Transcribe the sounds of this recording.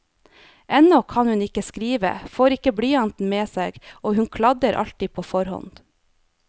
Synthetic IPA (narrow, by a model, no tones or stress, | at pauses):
ʔɛnɔkʰɑnhʉnɪkəskɾiːʋə̰foːɾɪkːəbɽiːɑnt̪n̩meːseːɡoːhʉŋkʰlɑd̪əɾʔɑ̰ʎt̪iːpʰoːfɔɾhɔ̰nd̪̥